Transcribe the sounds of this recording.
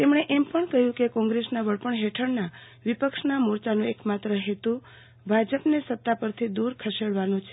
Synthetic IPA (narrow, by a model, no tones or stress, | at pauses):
t̪emɳ̃eʔempəɳkəɦjũkekɔ̃ŋɡɾesnaʋəɭpəɳɦeʈʰəɳna | ʋipəkʃnamoɾt͡ʃanũekmat̪ɾəɦet̪ũ | bʱad͡ʒəpnesət̪ːapəɾt̪ʰid̪uɾkʰəʃeɽʋanũt͡ʃʰe